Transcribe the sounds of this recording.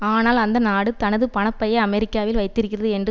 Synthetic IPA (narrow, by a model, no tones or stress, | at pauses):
aːnaːlɐnd̪ɐnaːɽɯt̪ɐnɐðɯpɐnɐpːɐjɐɐmɛɾɪkːaːʋɪlʋɐɪt̪ːɪɾɯkːɪrɐðɯɛndrɯ